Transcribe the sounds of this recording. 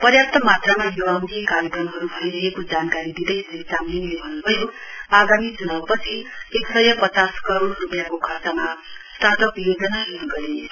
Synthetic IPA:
pʌrjap̚t̪ʌmat̪ramajoʌnt̪ʰimkaɾjʌkrʌmɦʌɾubʱʌjɾʌɦekod͡zankaɾid̪id̪ʌjʌlet͡samlinlebʱʌnːubʱʌjoaɡamid͡zunabpʌt͡sʰieksʌjʌpʌt͡saskʌɾoɽrupjakokʰasamast̪ʰat̪ʌpijod͡zʌnaɦeɾuɡʌɾe

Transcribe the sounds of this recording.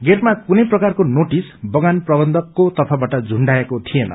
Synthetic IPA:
ɡermakunʌjprʌkarkonoʈisbʌɡanprʌbʌnd̪ʱʌkːot̪ʌpʰabaʈʌd͡zʱuɳɖaekot̪ʰijenʌ̰

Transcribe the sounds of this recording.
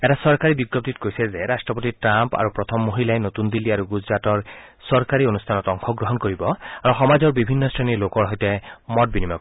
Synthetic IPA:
ɛtasɔɹkaɹibiɡːɔp̚titkojsɛzeɹastɹɔpotitɹampa̰ɹupɹɔt̪ʰɔmːoɦilaɛnot̪und̪ilːiaɹuɡuzɹatɔɹsɔɹkaɹionustʰanɔtɔŋxʰɔɡɹɔɦɔnkoɹibɔaɹuxɔmazɔɹbibʱinːɔstʰanilokɔɹɦɔjtɛmɔt̚binimak

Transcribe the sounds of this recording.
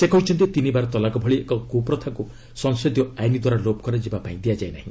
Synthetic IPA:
sekɔɦit͡ʃʰɔnt̪it̪inibaɾɔt̪ɔlakɔbʱɔɭiekɔɡupɾɔt̪ʰaku | sɔŋsɔd̪jɔajnid̪waɾalob̚kɔɾed͡ʒibapaĩd̪ijad͡ʒajna̰ɦĩ

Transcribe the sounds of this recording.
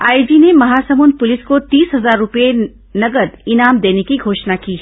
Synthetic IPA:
aːɪd͡ʒinemɐɦaːsɐmuːnpʊlɪskot̪iːsɦɐzaːɾːʊpe | nɐɡəd̪ɪnaːmd̪eːnekiɡʱoːʃnakiː

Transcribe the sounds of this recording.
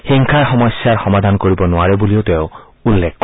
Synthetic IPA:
xiŋkʰaɹxɔmɔsjaɹxɔmad̪ʱankoɹibɔnʊaɹebuliot̪eʊ | ulːek̚ʰ

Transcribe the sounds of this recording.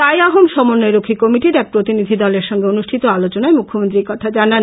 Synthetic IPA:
ajaɦomʃɔmonːeɾokʰikɔmiʈiɾɛk̚pɾot̪inid̪ʱid̪ɔleɾʃɔŋɡeonuʃʈʰit̪oalot͡ɕonaemukʰːomont̪ɾiɾkɔt̪ʰad͡ʑana

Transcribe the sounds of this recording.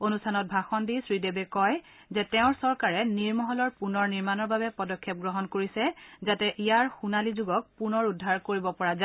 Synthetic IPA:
onustʰanɔt̚bʱaxɔndisɹidebekɔj | zɛtɛʊ̃ɹsɔɹkaɹɛniɹmɔɦɔlɔɹpunɔɹniɹmanɔɹbabɛpɔdɔkʰːɛp̚ɡɹɔɦɔnkoɹisɛzatɛʔijaɹxunalizuɡɔk̚punɔɹudʱːaɹkoɹibɔpɔɹaz

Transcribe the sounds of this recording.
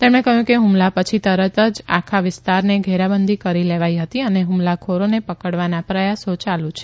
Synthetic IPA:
t̪emɽ̃ekəɦjũkeɦũmlapət͡ʃʰit̪əɾət̪əd͡ʒa̰kʰaʋɪst̪aɾneɡʱeɾabənd̪ʱikəɾileʋaiɦət̪iəneɦũmlakʰoɾonepəkəɽʋanapɾəjasot͡ʃalũt͡ʃʰe̥

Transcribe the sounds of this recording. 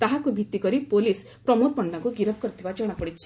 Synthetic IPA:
t̪aɦakubʱit̪ikɔɾipolis | pɾɔmoɾpɔɳɖaŋkuɡiɾɔp̚kɔɾit̪ʰibad͡ʒɔɽ̃apɔɽit͡ʃʰi̥

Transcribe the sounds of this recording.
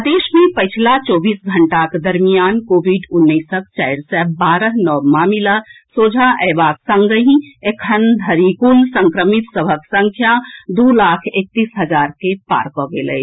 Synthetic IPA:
d̪eʃmẽpəɪt͡ʃʰlat͡ʃɔːbiːsɡʱəɳʈaked̪əɾmijaːnkobiɖʊnːəsək̚t͡ʃaɪɾsɛbaɾəɦnɔmaːmilasoːd͡ʒʱaʔɛbaːksə̃ŋɡəɦĩekʰənd̪ʱəɾikulsə̃ŋkɾəmit̪səbʱəksə̃ŋkʰjad̪ulakʰek̚t̪iːsɦəd͡ʒaɾkepa̰ɾkɔɡelə̰

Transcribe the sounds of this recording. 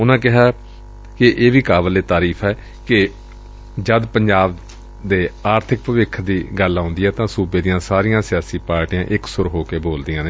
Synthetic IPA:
ʊnãːkɪɦaː | kɪʔeːʋiːkaːbəleːt̪aːɾiːfʰɛː | kɪ | d͡ʒəd̪pəɲd͡ʒaːb | d̪eːaːɾt̪ʰɪk̚pəʋɪkʰd̪iːɡəlãːnd̪iːɛːt̪ãːsuːbeːd̪ɪjãːsaːɾɪjãːsɪjaːsiːpaːɾʈijãːʔɪksʊɾɦoːkeːboːld̪ijãːne

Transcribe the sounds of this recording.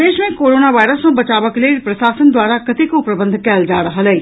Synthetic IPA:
eːʃmẽːkoːɾoːnaːʋaːɪɾəsõːbət͡ʃaːʋəkləipɾəsaːsənd̪ʊaːɾaːkət̪ɪkːpɾəbə̃nd̪ʱkɛːld͡ʒaːɾəɦələiː

